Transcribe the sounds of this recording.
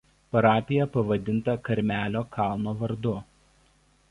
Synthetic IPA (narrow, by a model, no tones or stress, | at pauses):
pɐɾɑːpʲɪjɛpɐʋɐd̪ʲɪnt̪ɐkɐɾʲmʲæːlʲoːkʰɑˑlˠnoːʋɐɾd̪ʊ